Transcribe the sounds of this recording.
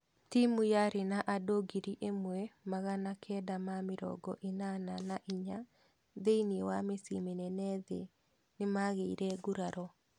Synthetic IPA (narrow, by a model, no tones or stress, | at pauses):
timujaɾenaʔadoɡiɾiʔemwɛmaɣanakʰɛdamamɪɾɔ̰ɡɔ̰ʔinananaʔiɲa | ðeiniewamesimenɛnɛðḛ | nɪmaɣeiɾɛɡuɾaɾɔ